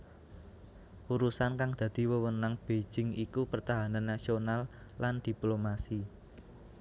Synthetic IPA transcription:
uɾusankaŋd̪̥ä̤d̪̥i̤wəwənaŋb̥e̥d͡ʒ̥ɪŋikupərt̪aɦananːasionalː | and̪̥i̤plomasi

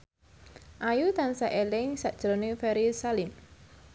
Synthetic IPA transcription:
ʔajut̪ansaʔelɪŋsaʔd̥ʒ̥ɾonefɛɾisalim

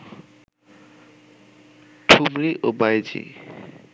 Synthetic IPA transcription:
ʈʰumɾiʔobajd͡ʑḭ

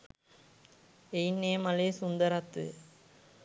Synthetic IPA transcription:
ɛjnːeːmɐleːsʊnd̪ɐɾɐt̪ːɯ̰

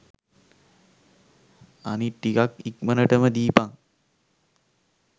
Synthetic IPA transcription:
a̰niʈːikakikmənəʈəməd̪iːpaŋ

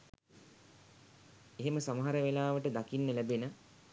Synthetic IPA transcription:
eɦeməsamaɦaɾəʋelaːʋəʈəd̪akinːəlæbenə

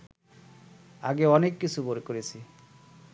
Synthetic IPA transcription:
a̰ɡeɔnekːit͡sʰuboɾekoɾisʰi

